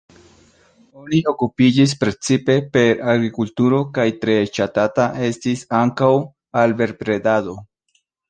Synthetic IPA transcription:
o̞nio̞kupid͡ʒis̬pɾe̞t͡sipe̞pe̞ɾaɡɾikultuɾo̞kajtɾe̞t͡ʃatataʔe̞stisaŋkaw | albe̞ɾpɾe̞dado̞

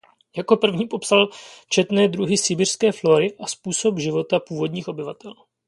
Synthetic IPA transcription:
jako̞pr̩vɲiːpo̞psalt͡ʃɛt̪nɛːd̪ɾuɦɪsɪbir̥skɛːflo̞ɾɪʔaspuːso̞pʒɪvo̞t̪apuːvo̞dɲiːxʔo̞bɪvat̪ɛl

